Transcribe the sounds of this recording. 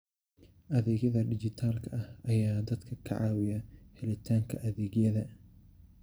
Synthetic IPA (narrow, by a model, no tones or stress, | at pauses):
ʔɐðɛːɣjɐðɐɖɪd͡ʒɪt̪ʰaːlkʰɐʔɐhɐjaːd̪ɐd̪kʰɐkʰɐ̰ʕaːwɪjɐhɛlɐt̪ʰaːŋkʰɐʔɐðɛːɣjɐðɐ